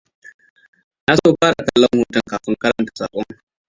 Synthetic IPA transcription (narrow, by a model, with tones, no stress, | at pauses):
na˦soː˦˨ɸaː˦ɾa˨ka˨lːɐ˦ŋhuː˨tɐ˦ŋkaː˨ɸɪ˦ŋkɐ˦ɾɐ˦ntḁ˨saː˨ɓʼɔ˦ŋ